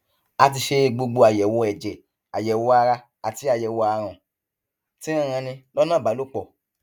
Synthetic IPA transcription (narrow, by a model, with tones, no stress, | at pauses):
a˧ti˧ʃe˧ɡ͡bo˧ɡ͡bo˧a˨jɛ˨wɔ˧ɛ˨d͡ʒɛ˨ | a˨jɛ˨wɔ˧a˧ɾa˧ | a˨ti˨˦a˧˨jɛ˨wɔ˧a˧ɾ̃ɔ̃˨ | tĩ˦ɾ̃ã˦˨ɾ̃ã˧nĩ˧lɔ˦nãː˦˨ba˨˦lo˦k͡pɔ˨